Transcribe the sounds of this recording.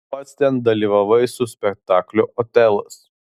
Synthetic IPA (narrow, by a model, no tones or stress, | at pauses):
pɐt̪st̪ʲɛnd̪ɐlʲiːʋɐʋɐɪsʊsʲpʲɛk̚t̪ɑːklʲʊʔoːt̪ʲɛlˠɐs